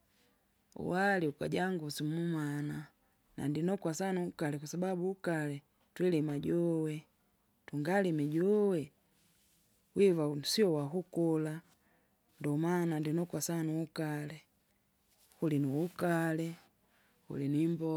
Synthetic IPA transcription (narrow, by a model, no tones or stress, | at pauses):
ṵwaliuka̰ɟaŋɡusimumana | na̰ndinɔkwasanuːkalɛkwasababuːkalɛ | twɛlɛmaɟɔwɛ | tuŋɡalimɛɟɔwɛ | wivasiɔwaɦukɔla | ndɔmanandinɔkwasanuukalɛ | hulinuukalɛ | hṵlinuimbɔ